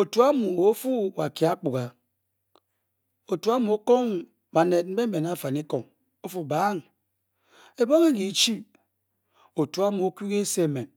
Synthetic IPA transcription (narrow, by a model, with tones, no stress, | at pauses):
o˨tu˨a˦mu˨o˦fu˦wa˨ki˨a˦k͡pu˨ɣa˨ | o˨tu˨a˦mu˨o˦ko˦ŋ | ba˨ne˨d̚m̩˦be˦m̩˦me˨na˦˨fa˨ni˦ko˨ŋ | o˦fu˨baː˨˦ŋ | e˨bo˦ŋe˦ɡi˨˦t͡ʃi˦ | o˨tu˨a˦mu˨o˦ki˦ɣe˦se˦˨me˨n